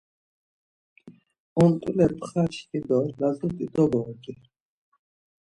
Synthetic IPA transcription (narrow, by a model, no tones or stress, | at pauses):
ɔmt̪ʼulɛpʰχaʃt̪ʼid̪ɔlazut̪ʼid̪ɔbɔkʼi